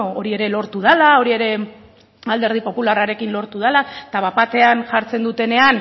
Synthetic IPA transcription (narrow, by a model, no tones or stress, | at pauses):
o̞ɾie̞ɾe̞lo̞ɾt̪uð̞alao̞ɾie̞ɾe̞ | ald̪e̞ɾð̞ipo̞pularaɾe̞kinlo̞ɾt̪uð̞alat̪aβapat̪e̞anʝaɾt͡se̞nd̪ut̪e̞ne̞an